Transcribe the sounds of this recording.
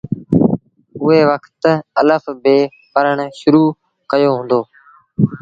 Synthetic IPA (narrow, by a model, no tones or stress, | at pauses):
ʊɦeːʋəkʰt̪ələfbeː | pəɾəɳʃʊɾuː | kəjoːɦʊ̃ːnd̪oː